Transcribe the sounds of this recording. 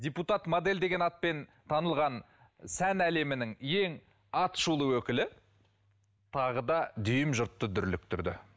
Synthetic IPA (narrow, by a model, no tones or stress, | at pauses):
d̪ʲeput̪ɑt̪mod̪e̞ld̪e̞ɡʲe̞nɑt̪̚pe̞nt̪ʰɑnəlˠʁɑn | sænæle̞mɪnɪŋje̞ŋ | ɑt̪ʃulˠəwɵkʲɪlɪ | t̪ʰɑʁəd̪ɑd̪ʏjɪmʒʊɾt̪ːəd̪ʏɾlɪk̚t̪ʰʏɾd̪ɪ̰